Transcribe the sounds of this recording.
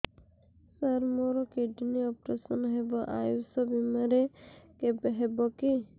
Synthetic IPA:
saɾmɔɾɔkeɖiniɔpɾesɔnɦebɔʔajusɔbimaɾekebeɦebɔki

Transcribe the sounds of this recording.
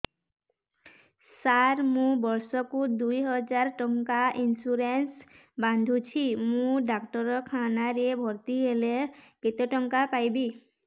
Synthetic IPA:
saɾmũbɔɾsɔkud̪ujɦɔd͡ʒaɾʈɔŋkaʔinsuɾens | band̪ʱut͡ʃʰimũɖakʈɔɾɔkʰanaɾebʱɔɾt̪iɦeleket̪ɔʈɔŋkapajbi

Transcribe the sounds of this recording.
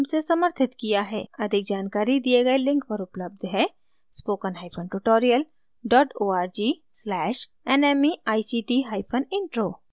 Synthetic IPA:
msesɐməɾt̪ʰɪt̪kijaɦɛ̰ːɐd̪ʱɪk̚d͡ʒaːnkaːɾid̪ieɡɐelɪ̃ŋkpɐɾʊpləb̚d̪ʱɦɛ | spoːkənɦaːɪpʰənʈuʈoːɾijəl | ɖɔːʈoːaːɾd͡ʒi | slɛːʃ | ɛːnɛːmiaːisiːʈiɦaːɪpʰənɪ̃ɳʈɾoː

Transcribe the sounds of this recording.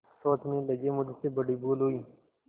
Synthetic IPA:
sɔːt̪ʰmẽləɡemʊd̪sebəɽiboːlɦoiː

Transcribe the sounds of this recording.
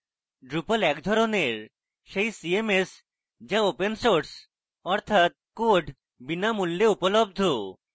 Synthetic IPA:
ɖɾupolɛkd̪ʱɔɾoneɾ | ʃejsiemes | d͡ʑaopensoɾs | ɔɾt̪ʰat̪̚koɖʱ | binamulːeupolob̚d̪ʱo

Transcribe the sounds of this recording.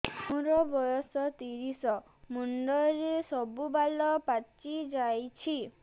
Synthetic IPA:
mũɾɔbɔjɔsɔt̪iɾisɔ | muɳɖɔɾesɔbubalɔpat͡ʃid͡ʒajt͡ʃʰi

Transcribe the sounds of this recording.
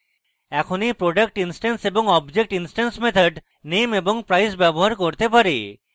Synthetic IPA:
ɛkʰonipɾoɖək̚ʈinsʈenseboŋɔbd͡ʑek̚ʈinsʈansmet̪ʰəɖ | nemeboŋpɾajsbɛboɦaɾkoɾt̪epaɾḛ

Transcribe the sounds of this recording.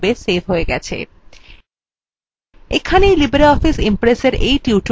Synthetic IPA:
besebɦoeɡɛt͡ɕʰḛ | ekʰanejlibeɾeɔfisimpɾeseɾejʈiuʈ

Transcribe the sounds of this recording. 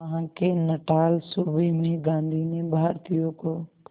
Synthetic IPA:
ɦãːkʰenɐʈaːlsuːbemẽɡãːnd̪ʱinẽbaːəɾt̪ʰijokoː

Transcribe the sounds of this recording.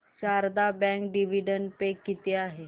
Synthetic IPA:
t͡ɕaɾd̪abɛ̃ŋkɖiʋ̤iɖəɳɖpekːit̪eaɦe

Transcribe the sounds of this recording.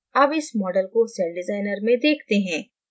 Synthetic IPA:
ɐbɪsmɔːɖəlkosɛːlɖɪzaːɪnəɾmẽd̪eːkʰt̪eɦɛ̃ː

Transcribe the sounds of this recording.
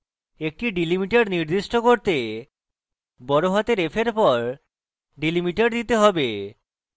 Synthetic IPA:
ek̚ʈiɖilimiʈeɖniɾd̪iʃʈokoɾt̪e | bɔɾoɦat̪eɾefʰeɾpɔɾ | ɖilimiʈaɾd̪it̪eɦɔbe

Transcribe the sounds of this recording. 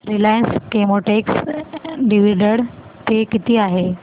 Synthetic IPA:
ɾilajənskemoʈeks | ɖiʋiɖəɽ | t̪ekit̪iːaɦe

